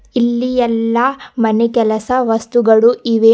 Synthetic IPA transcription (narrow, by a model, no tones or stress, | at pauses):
ilːijɛlːɐmɐnɛkɛlɐsɐʋɐst̪uɡɐɭuiʋeː